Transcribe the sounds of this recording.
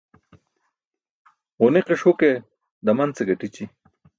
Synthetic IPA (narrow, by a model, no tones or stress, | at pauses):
ʁʊneqeʂuke | d̪ɐmɐnt͡seɡɐʈit͡ɕi